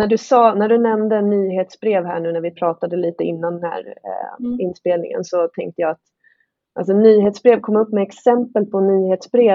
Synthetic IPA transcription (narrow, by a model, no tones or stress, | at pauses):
næɖɵsɑːnæɖɵnɛmd̪ənːyːɦeːt̪sbɾeːvhæ̰ːɳʉ̟ːnæɾvɪpʰɾɑːt̪ad̪əliːt̪əɪ̰nːand̪ənhæ̰ːɾ̰ | ɪnspeːlnɪ̰ŋə̰nsɔt̪ʰɛ̰ŋk̚t̪əjɑːat̪ | ʔa̰ls̬ɔnːyːɦeːt̪sbɾeːvkʰɔmːɵpːmɛɛksɛmpəlpʰɔnyːheːt̪sbɾeː